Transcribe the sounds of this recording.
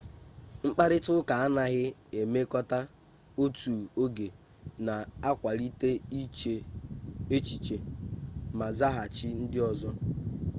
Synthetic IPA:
ŋ͡m̩˦k͡pa˦ɾɪ˦tʊ˦ka˨a˦na˨ɣɪ˦e˨me˦kɔ˦ta˦ | o˦tu˨o˦ɡe˨ | na˨a˦kʷa˨ɾi˦te˦i˦e˨ | e˦t͡ʃi˨t͡ʃe˨ | ma˨za˦ɦa˨t͡ʃɪ˦n̩˦dɪ˦ɔ˨zɔ˦

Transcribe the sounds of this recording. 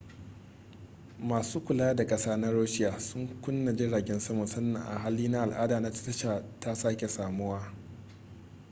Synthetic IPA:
maː˨suː˦kʷʊ˨la˦a˦da˨kʼɐ˦saː˦na˦ɽoː˦ʃɪ˦jaː˨sʊ˦ŋkʷʊ˦nːa˨d͡ʒɪ˦ɽaː˨ɡʲɛ˦nsɐ˦mɔ˨nsɐ˦nːɐ˨ʔa̰˨ɦaː˦liː˦na˦ʔa˨lʔaː˦daː˨na˦ttɐ˦ʃaː˨ta˦saː˦kʲe˨saː˨mʊ˦waː˦

